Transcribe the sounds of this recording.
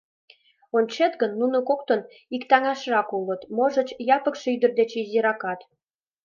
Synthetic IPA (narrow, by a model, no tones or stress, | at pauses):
onʲt͡ɕet̪ɡənːunokok̚t̪ən | ikt̪ɑŋɑʃrɑkulət̪moʒə̆t͡ɕjɑpə̆kʃeyd̪ərd̪et͡ɕizʲiɾɑkɑt̪